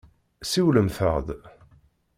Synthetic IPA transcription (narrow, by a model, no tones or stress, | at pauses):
siwləmfə̰ʁð